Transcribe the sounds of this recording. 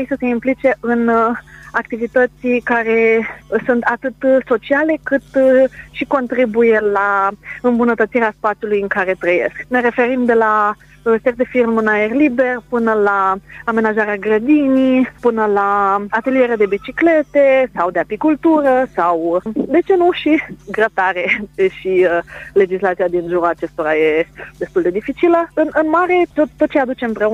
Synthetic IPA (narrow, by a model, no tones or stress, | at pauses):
jsəse̞implit͡ʃe̞ʔɨnakt̪ivit̪ət̪sʲikaɾe̞sunt̪at̪ɨt̪so̞t͡ʃiale̞kɨt̪ʃiko̞nt̪ɾibuje̞laɨmbunət̪ət̪siɾeaspat̪sijulujɨŋkaɾe̞t̪ɾəje̞̰skneɾe̞fe̞ɾimd̪e̞la | sek̚d̪e̞firmɨnaerlibe̞rpɨnəlaame̞naʒaɾeaɡɾəd̪inipɨnəlaat̪e̞lie̞ɾead̪e̞bit͡ʃikle̞t̪e̞sawd̪e̞apikult̪uɾəsawd̪e̞t͡ʃe̞nuʃiɡɾət̪aɾe̞ʃile̞d͡ʒislat̪siad̪inʒuɾuat͡ʃe̞st̪o̞ɾaje̞d̪e̞st̪uld̪e̞d̪ifit͡ʃiləɨnʔɨnmaɾe̞t̪ot̪ːo̞t̪̚t͡ʃejad̪ut͡ʃeɨmpɾe̞u